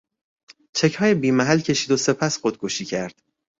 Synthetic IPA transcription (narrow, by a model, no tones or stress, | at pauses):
t͡ʃʰe̞chɒːjebiːmæɦælcʰe̞ʃiːd̪o̞se̞pʰæsxod̪̚ɡʰoʃiːcʰæɾd̪̥